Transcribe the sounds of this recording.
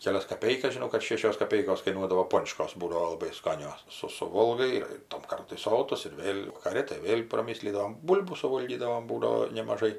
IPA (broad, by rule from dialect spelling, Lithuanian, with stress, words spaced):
kʲɛˈlʲɛs kɐˈpʲɛɪkɐs ʒʲɪˈnɐʊ kɐt ˈʃʲeːʃʲoːs kɐˈpʲɛɪkoːs kɐɪˈnuɔdɐʋoː ˈpoːnt͡ʃkoːs ˈbuːdɐʋoː lˠɐˈbɐɪ ˈskɑːnʲoːs ˈsʊ sʊˈʋoːlˠɡɐɪ ɪr ɪr tɐm ˈkɐrtʊɪ ˈsoːtʊs ɪr ˈʋʲeːlʲ ʋɐkɐˈrʲɪ tɐɪ ˈʋʲeːlʲ prɐˈmʲɪsʲlʲiːdɐʋoːm ˈbuːlʲbuː sʊˈʋoːlʲɡʲiːdɐʋoːm ˈbuːdɐʋoː nʲɛmɐˈʒɐɪ